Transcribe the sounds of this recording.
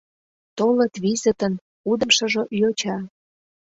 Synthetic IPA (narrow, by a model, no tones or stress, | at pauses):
t̪olət̪βizət̪ən | ud̪ə̆mʃə̆ʒojot͡ɕɑ